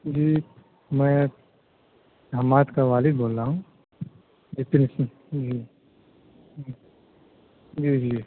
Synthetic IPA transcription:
d͡ʒiː | mɛ̃ | dʱamaːt̪kaʋaːlɪboːlɾaːɦũ | d͡ʒɪt̪ns | d͡ʒiː | d͡ʒiːd͡ʒiː

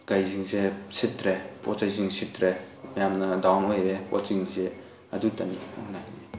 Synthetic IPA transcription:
ɡajziŋzesitɾepʰɔtzajziŋsitɾe | mɐjamnɐdawnojɾepɔ̰tziŋze | ɐdutɐnḭuŋnajni

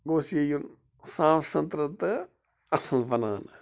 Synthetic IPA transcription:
ɡoːsjejun | saːʋsɐnt̪ɾɐt̪ɨ | ɐsɐlbɐnaːn

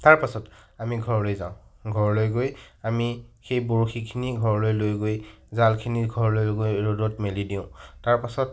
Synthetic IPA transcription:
taɹpasɔtamiɡʱɔɹlojzã̰ʊ̃ɡʱɔɹlojɡojamixejboɹoxʰikʰiniɡʱɔɹlojlojɡojzalkʰiniɡʱɔɹlojɡojɹodɔtmelidiʊ̃taɹpasɔt

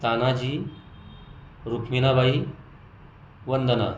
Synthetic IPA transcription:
t̪anad͡ʑiː | ɾukʰminabaɦi | ʋənd̪əna̰

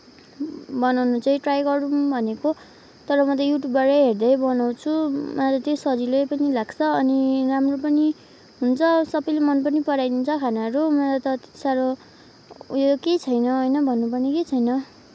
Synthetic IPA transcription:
bʌnawnut͡saĩʈrajɡʌɾũmbʱʌneko | t̪ʌɾʌmʌt̪ʌjuʈjubʌɾʌɦerd̪ʌjbʌnaw̃t͡sʰumʌat̪ʌt̪josʌd͡zilepʌnilaɡt͡sʰʌːniramropʌni | ɦunt͡sʰʌsʌbʌjlemʌnpʌnipʌɽajd̪int͡sʰʌkʰanaʌɾumʌtat̪ʌt̪saɾo | joket͡sʰʌjnʌɦʌjnʌbʱʌnːupʌrniket͡sʰʌjnʌ

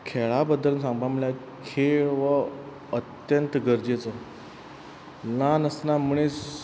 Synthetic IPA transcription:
kʰeɭabəd̪ələsãŋbamulja | kʰeɭʋə | ət̪jənt̪ɡəɾd͡ʑet͡sə | lanəsnamuɽ̃e

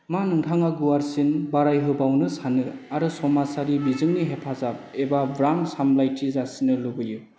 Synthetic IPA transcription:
manɯŋtʰaŋaɡuwaɾsinbaɾajɦɯbawnɯsanɯaɾɯsɔmasaɾibizɯŋniɦepʰazap̚ebabɾaŋsamlajtʰizasinɯlubɯju

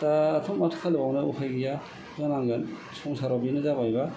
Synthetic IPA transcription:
taːtʰumatʰkʰalbawnɯuhʰajɡija | zɔnaŋɡan | sʰɔŋsaɾabinɯzabajba

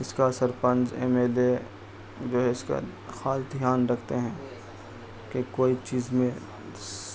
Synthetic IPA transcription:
ɪskasɐɾpə̃nd͡ʒḛːmeːle | d͡ʒoːɦɛɪska̰ | xaːlt̪jaːnɾɐkʰt̪eɦɛ̃ː | kekoːit͡ʃiːzmẽ

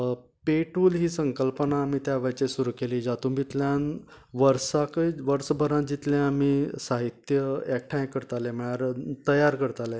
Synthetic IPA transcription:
peʈuːlɦiːsəŋkəlpənaːmit̪jaʋəjt͡ɕesuɾuːkeliːd͡zat̪ũbit̪ljãn | ʋəɾsakəʋəɾsbʱəɾãd͡ʑit̪ljãamiːsaɦit̪jəek̚ʈʰãj̃kəɾt̪aleməaɾt̪əjaɾkəɾt̪ale

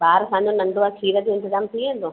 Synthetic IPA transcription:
baːɾsãːɲd͡ʑõnɐɳɖoʋakʰiːɾət̪iɪ̃nt̪əzaːmt̪ʰiẽːnd̪o

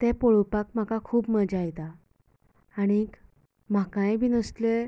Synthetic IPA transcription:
t̪ɛpɔɭpakm̤akakʰuːbməd͡ʑajt̪a | aɽ̃ik | m̤akãjbʱiːnəst̪le

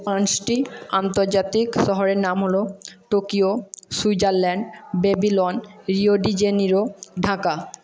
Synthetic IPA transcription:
pãsʈiant̪oɾd͡ʑat̪ikʃɔɦoɾeɾnamɦoloʈokiosujd͡ʑaɾlɛɳɖbebilonɾioɖid͡ʑeniɾoɖʱãka

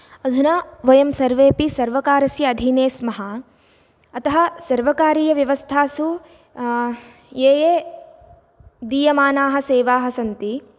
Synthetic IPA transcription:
ɐd̪ʱunaːʋɐjɐmsɐɾʋeːpisɐɾʋɐkaːɾɐsjɐːd̪ʱineːsmɐɦɐ | ɐt̪ɐɦɐ̆sɐɾʋɐkaːɾiːjɐʋjɐʋɐst̪ʰaːsu | jeːjeː | d̪iːjɐmaːnaːɦɐ̆seːʋaːɦɐsɐnt̪i

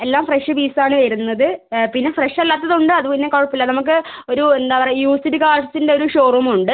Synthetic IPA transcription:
e̞lːaːmfreʂɨbiːsaːɳɨʋɐɾunːɐðɨpinːefreʂɐlːaːt̪ːɐðuɳɖɨɐðuponːekoɻɐpːilːɐnɐmuk̬ːɨo̞ɾuend̪aːpɐrɐjuːstidɨkaːʈɐsindeo̞ɾuʂo̞ːrɐmuɳɖɨ

